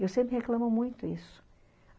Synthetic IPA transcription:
ewsẽmpɾɪheklãmomũj̃t̪ʊisʊ̥

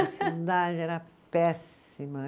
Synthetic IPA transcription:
sid̪ad͡ʒɪɛɾɐ | pɛs | imɐ

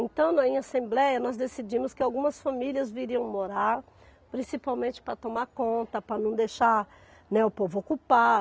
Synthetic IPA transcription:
ẽt̪ɐ̃w̃nɐĩɲasẽmblɛjɐnɔzd̪esid͡ʒĩmʊskɪawɡũmɐsfamiliɐzviɾiɐ̃w̃moɾaɾ | pɾĩsipawmẽnt͡ʃɪ̥pɾɐt̪omakõnt̪ɐpɾɐnɐ̃w̃d̪ejʃaɾ | nɛʊpovʊokupa

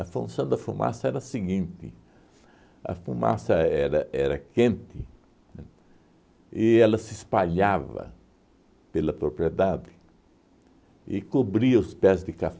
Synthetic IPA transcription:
ɐfũnsɐ̃w̃d̪ɐfumʔa̰sɐɛɾɐsɪɡĩnt̪ɪ̰ | ɐ̰fuma̰sɐɛɾɐʔɛɾɐkẽnt̪ɪ | ɪɛlɐsɪspaʎavɐ̰ | pelɐpɾopɾied̪ad̪ɪ | ɪkobɾiɐʊspɛzd̪ɪkaf

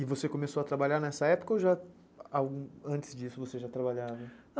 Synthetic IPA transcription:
ɪvosekõmesoɐt̪ɾabaʎaɾnɛsɐɛpo̥kɐowʒa | awɡũɐ̃t͡ʃɪ̥zd͡ʒisʊvoseʒat̪ɾabaʎavɐ

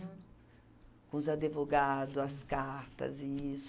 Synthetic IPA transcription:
kũzad̪evoɡad̪ʊɐskaɾt̪ɐ̰zis

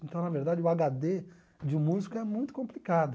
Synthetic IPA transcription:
ẽnt̪ɐ̃w̃nɐveɾd̪ad͡ʒɪʊaɡad̪e | d͡ʒɪmuzikɐɛmũj̃t̪ʊ̥kõmplikad̪ʊ

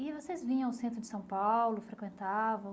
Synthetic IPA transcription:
ɪvosezvĩɲɐ̃aʊsẽnt̪ɾʊd͡ʒɪsɐ̃w̃pawlʊfɾekwẽnt̪avɐ̃w̃

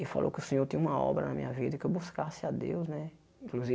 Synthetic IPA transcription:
ɪfa̰lʔo̰wkɪʊsẽɲoɾt̪ĩɲ̃ɐ̃ũmɐɔ̰bɾɐnɐmĩɲɐvid̪ɐkɪbuskasɪad̪ḛwznɛ | ĩŋkluzi

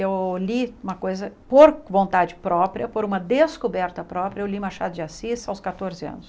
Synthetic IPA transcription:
ewliũmɐkojzɐpoɾvõnt̪ad͡ʒɪpɾɔpɾiɐpoɾũmɐd̪eskobɛɾt̪ɐpɾɔpɾʲɐewliũmaʃa̰d̪ʊd͡ʒɪasisawskat̪oɾzɪɐ̰̃nʊs

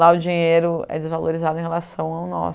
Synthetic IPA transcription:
laʊd͡ʒiɲejɾʊɛ̰d͡ʒɪzvaloɾizad̪ʊẽɦelasɐ̃w̃aʊnɔ̰s

